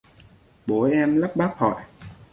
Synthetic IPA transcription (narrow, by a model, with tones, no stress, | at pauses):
ɓo˨˦ʔɛ˧mla˦˥p̚ɓaː˦˥p̚hɔ̰˧˨j